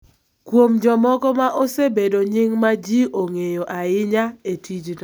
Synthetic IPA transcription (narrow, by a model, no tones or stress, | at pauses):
kwomd͡ʒɔmɔkɔmaʔosebedoɲiŋmad͡ʒiʔoŋejoʔaɪɲaetʰid͡ʒd